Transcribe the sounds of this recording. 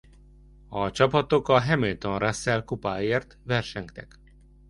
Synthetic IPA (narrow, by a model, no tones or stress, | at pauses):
ɒt͡ʃɒpɒt̪okɒɦɛmilt̪onrasːɛlkupaːeːrt̪ʋvɛrʃɛŋkt̪ɛk